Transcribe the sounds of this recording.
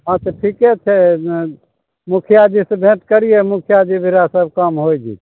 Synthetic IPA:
ɦãt̪ɔʈʰiket͡ʃʰe | mukʰjad̪isebʱẽʈkəɾiemukʰjad̪ibʱiɾasəb̚kəmɦojd͡ʒḭ

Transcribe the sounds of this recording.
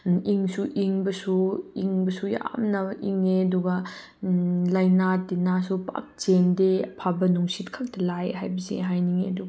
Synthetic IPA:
iŋsuʔiŋbɐsuiŋbɐsuja̰mnɐiŋeɐduɡɐ | lajnatinasupa̰k̚t͡ʃendeɐpʰabɐnuŋsitkʰak̚tɐlajɦajbɐsḭɦajniŋeɐduɡɐ

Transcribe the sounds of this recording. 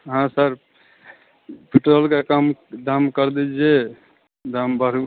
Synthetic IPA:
ɦãsəɾ | pʰiʈɾəlkekamd̪amkəɾd̪ɛd͡ʒe | d̪ambəɾu

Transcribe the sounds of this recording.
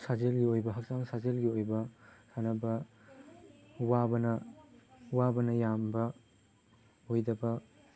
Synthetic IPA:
sazelɡiojbɐɦɐk̚saŋsazelɡiojbɐsanɐbɐ | wabɐnɐ | uwabɐnɐjambɐ | ojdɐbɐ

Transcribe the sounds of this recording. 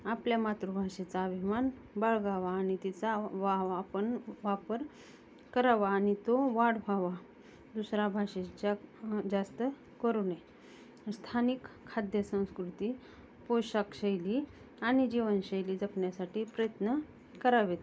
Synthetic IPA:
apljamat̪ɾubʱaʂet͡saəbʱiman | bəɭɡaʋaːɽ̃it̪it͡saʋaʋːpəɳʋapəɾ | kəɾaʋaːɽ̃it̪oʋaɽʋʱaʋa | d̪usɾabʱaɕet͡ɕad͡zast̪ə | kəɾuːne | st̪ʰanikʰːad̪jəsə̃w̃skɾut̪i | pojɕakɕəjliː | aɽ̃id͡ʑiʋənɕəjliːd͡zəkɳjasaʈiːpɾəjət̪nə | kəɾaʋet̪

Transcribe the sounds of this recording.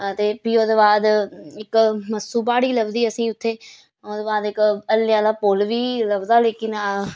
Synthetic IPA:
t̪eːpiːoːd̪eːbaːd̪ɪkməsuːbaːɽiːləbziːəsĩːʊt̪ʰːeː | oːd̪eːbaːd̪ɪkəlːjãːd̪aːpoːlʋiːləbzaːleːkɪn

